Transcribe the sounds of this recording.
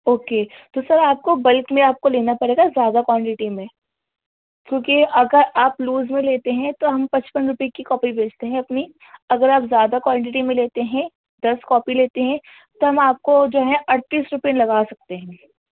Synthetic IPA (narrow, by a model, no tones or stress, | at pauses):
oːket̪osɐɾaːp̚kobɐlkmẽaːp̚koleːnapɐɽeːɡazjaːd̪akwãːɳʈɪʈimẽ | kjõːkiɐɡəɾaːpluːzmẽleːt̪eɦɛ̃t̪oɦɐmpɐ̃t͡ʃpənɾʊpiekikɔːpibʱeːd͡ʒt̪eɦɛ̃ɐpni | ɐɡəɾaːpzjaːd̪akwãːɳʈɪʈimẽleːt̪eɦɛ̃ | d̪ɐskɔːpileːt̪eɦɛ̃ | t̪oɦɐmaːp̚kod͡ʒoːɦɛ̃ʔɐɽt̪iːsɾʊpilɐɡaːsɐk̚t̪eɦɛ̃ː